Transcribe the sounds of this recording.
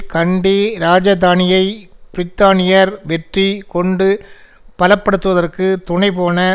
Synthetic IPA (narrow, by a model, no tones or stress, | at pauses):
kɐɳɖiɾaːd͡ʒɐðaːnɪjɐɪb̥ɪɾɪt̪ːaːnɪjɐɾʋɛʈrikɔɳɖɯ | pɐlɐpːɐɽɯt̪ːɯʋɐðɐrkɯt̪ʊɳɐɪpoːnɐ